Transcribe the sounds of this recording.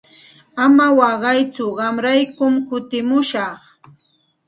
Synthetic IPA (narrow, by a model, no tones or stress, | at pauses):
amawɑɢɑjt͡sʊɢɑmɾajkʊmkʊt̪ɪmʊʃɑχ